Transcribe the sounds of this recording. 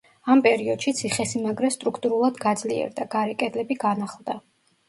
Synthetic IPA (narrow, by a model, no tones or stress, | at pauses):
ampʼɛɾiɔd̪̥ʃit̪sʰiχɛsimaɡɾɛst̪ʼɾukʰt̪ʼuɾulˠad̪ɡad̪zliɛ̰ɾd̪aɡaɾɛkʼɛd̪lɛbiɡanaχlˠd̪a